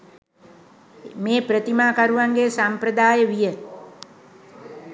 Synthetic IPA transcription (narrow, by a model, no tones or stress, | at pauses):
meːpɾət̪imaːkaɾuʋaŋɡeːsampɾəd̪aːjəʋijə